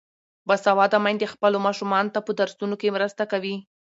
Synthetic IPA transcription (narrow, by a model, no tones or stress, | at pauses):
basawɑd̪amajnd̪expəlomɑʃumɑnot̪apəd̪aɾsunokemɾəst̪akawi